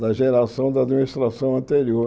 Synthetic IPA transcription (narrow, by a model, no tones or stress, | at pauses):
d̪ɐʒeɾasɐ̃w̃d̪ɐad̪minist̪ɾasɐ̃w̃ɐ̃nt̪eɾio